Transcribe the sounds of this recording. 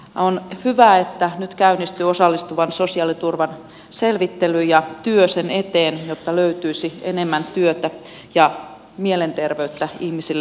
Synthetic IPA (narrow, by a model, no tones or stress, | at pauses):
onhyʋæːet̪ːænyt̪kæynːist̪yːosɑlːist̪uʋɑnsosiɑlit̪urʋɑn | selʋit̪ːelyjɑt̪yøsenet̪eːnjot̪ːɑløyt̪yisiḛnemːænt̪yøt̪æ | jɑ | mielent̪erʋeyt̪ːæihmisilː